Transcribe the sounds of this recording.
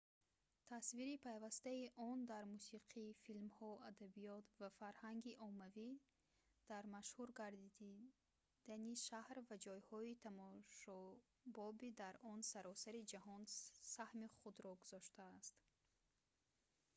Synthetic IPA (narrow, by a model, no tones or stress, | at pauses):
t̪ʰasviɾipʰajvast̪aiʔɔnd̪aɾmusiqʰifilmhɔad̪abijɔt̪vafaɾhaŋɡiʔɔmavi | d̪̥aɾmaʃhuɾɡaɾd̪id̪i | d̪̥aniʃahɾvad͡ʒɔjhɔit̪ʰamɔʃɔ | bɔbid̪aɾʔɔnsaɾɔsaɾid͡ʒahɔnsahmiχud̪ɾɔɡuzɔʃt̪aːst̪